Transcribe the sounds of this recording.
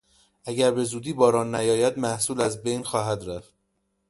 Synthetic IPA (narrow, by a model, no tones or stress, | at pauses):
ʔæɡæɾbe̞zuːd̪iːbɒːɾɒːnːæjɒːjæd̪̚mæhsuːlæzbe̞jnxɒːɦæd̪ɾæft̪̚